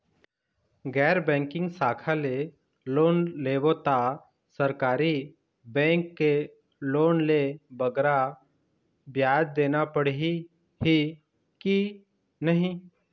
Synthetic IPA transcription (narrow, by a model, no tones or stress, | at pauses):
ɡɛːɾbɛ̃ːŋkɪ̃ŋɡsaːkʰale | loːnleːʋot̪a | səɾkaːɾi | bɛ̃ːŋkːe | loːnlebəɡɾa | bjaːd̪̚d̪eːnapəɽi | ɦi | ki | nəɦĩ